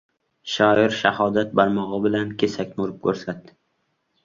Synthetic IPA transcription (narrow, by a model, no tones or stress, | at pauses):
ʃɒɪɾʃahɒd̪at̪̚baɾmɒʁɨbɪlankʲʰesakʲmʊɾɪp̚kʰɵɾsat̪̚ːɪ